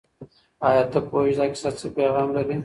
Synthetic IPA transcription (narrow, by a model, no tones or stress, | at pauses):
ɑjɑt̪əpoeʃd̪ɑkʲɪ̥sat͡səpeɣɑːmlaɾi